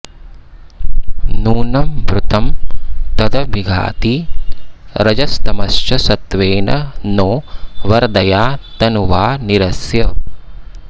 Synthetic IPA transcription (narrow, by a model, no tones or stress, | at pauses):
nuːnɐmbɾut̪ɐmt̪ɐd̪ɐbiɡʱa̰ːt̪i | ɾɐd͡ʒɐst̪ɐmɐst͡ʃɐsɐt̪ʋeːnɐnoːʋɐɾd̪ɐjaːt̪ɐnuʋaːniɾɐsjɐ